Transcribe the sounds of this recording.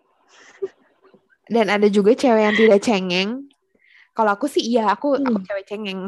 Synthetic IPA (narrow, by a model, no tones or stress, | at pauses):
danadad͡ʒuɡat͡ʃɛwɛjaŋt̪idaʔt͡ʃɛŋɛŋ | kaloakusɪijaakuakut͡ʃɛwɛt͡ʃɛŋɛŋ